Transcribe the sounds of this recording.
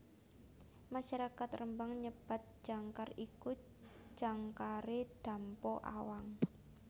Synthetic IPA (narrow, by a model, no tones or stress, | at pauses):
maʃaɾakat̪rəmbaŋɲəb̥a̤t̪̚d͡ʒ̥aŋkariku̥ | d͡ʒ̥aŋkaɾed̪̥a̤mpɔʔa̰waŋ